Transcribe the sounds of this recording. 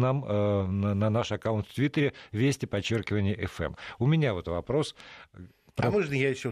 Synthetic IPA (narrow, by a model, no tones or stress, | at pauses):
namnnɐnaʂɐkaʊnt̪ft̪vʲit̪ːəɾʲɪvʲesʲtʲɪpɐt͡ɕːorkʲɪvənʲɪjəʔɛfɛ̰mʊmʲɪnʲavot̪vɐpɾo̞s | pɾɐmoʐnəjajɪɕːo